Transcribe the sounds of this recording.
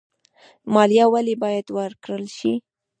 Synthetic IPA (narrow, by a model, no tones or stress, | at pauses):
mɑljɑwalebɑjad̪wəɾkɽəlʃi